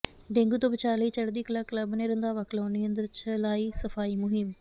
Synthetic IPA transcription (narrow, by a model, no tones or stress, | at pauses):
ɖẽːŋɡuːt̪õːbɪt͡ʃaːɾləiːt͡ʃəɽd̪iːkəlaːkləbneːɾənd̪aːʋaːklaːniːə̃nd̪əɾt͡ʃəlaːiːsəfʰaːiːmʊɦɪm